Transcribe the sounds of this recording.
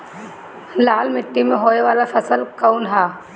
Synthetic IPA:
laːlmɪʈːimẽɦoːeʋaːlafɐsəlkaunɦaː

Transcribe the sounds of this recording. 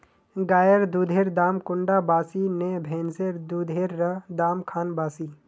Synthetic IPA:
ɡaːjəɾd̪ud̪ʱeːɾd̪aːmkʊɳɖabaːsinebʱẽːnzeɾd̪uːd̪ʱeːɾːəd̪aːmkʰaːnbaːsiː

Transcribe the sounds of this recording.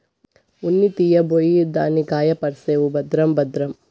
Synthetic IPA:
unːit̪ijɐbʱojid̪aːnikaːjɐpɐɾseːʋubɐd̪ɾɐmbɐd̪ɾɐm

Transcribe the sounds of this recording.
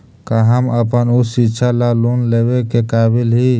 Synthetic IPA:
kaɦəməpənusitːʃʰalalunleːwekekaːbilɦi

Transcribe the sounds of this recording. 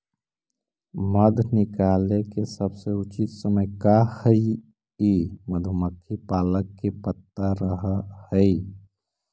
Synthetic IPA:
məd̪ʱnɪkaːlekesəbseʊt͡ʃit̪səməjkahəi | iməd̪ʱuməkʰːipaːləkːepət̪ːaɾəɦhəi

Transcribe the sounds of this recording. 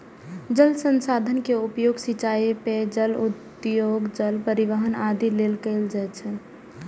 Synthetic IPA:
d͡ʒəlsənsad̪ʱənkeupjoɡsit͡ʃaeped͡ʒəlut̪ | joɡd͡ʒəlpəɾiʋəɦənad̪ʱilelkəɪld͡ʒaɛt͡ʃʰɛ

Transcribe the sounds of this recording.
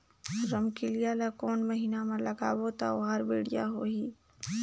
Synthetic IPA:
ɾɐmkelijalakoːnmɐɦiːnamɐlɐɡaːbot̪a̰oɦaɾbiːɽijaɦoːɦiː

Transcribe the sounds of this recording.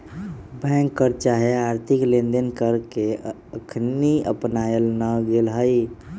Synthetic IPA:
bɛ̃ŋkːəɾt͡ʃaɦeaɾt̪ʰiklẽnd̪ənkəɾke | əkʰniə̰pnaəlnəɡelɦəj

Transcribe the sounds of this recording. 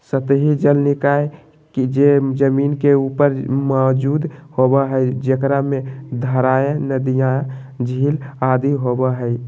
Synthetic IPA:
sət̪əɦid͡ʒəlnikaj | kid͡ʒed͡ʒəminkeupəɾmɔd͡ʒud̪hobəɦəjd͡ʒekɾamed̪ʱəɾaenəd̪ijã | d͡ʒʱilad̪iɦobəɦəj

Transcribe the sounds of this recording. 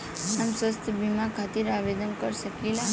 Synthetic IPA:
amsʋəst̪ʰəbimãkʰat̪iɾaʋed̪ənkəɾʃəkela

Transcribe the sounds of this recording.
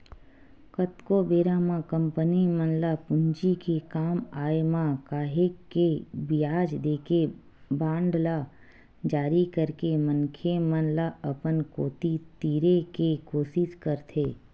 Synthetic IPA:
kət̪kobeːɾamãkə̃mpənimənlapʊɲd͡ʒikekaːmaːemãkaːɦekkːebijaːd͡ʒd̪eːkʰe | bãːɳɖla | d͡ʒaːɾikəɾkemənkʰemənlaəpənkoːt̪it̪iːɾekekoːsɪskəɾt̪ʰeː

